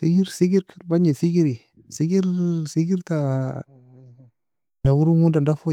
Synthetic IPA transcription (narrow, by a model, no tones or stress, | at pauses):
siɡiɾsiɡiɾkʰəɾbaɲesiɡiɾi | siɡiɾsiɡiɾta | nawuɾuŋudandafo